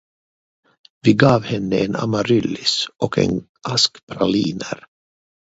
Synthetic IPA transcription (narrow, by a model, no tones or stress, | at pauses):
vɪɡɑːvhɛnːəʔena̰maɾʏlːɪsʔɔkɛ̰n | ʔaskpʰɾaliːnəɾ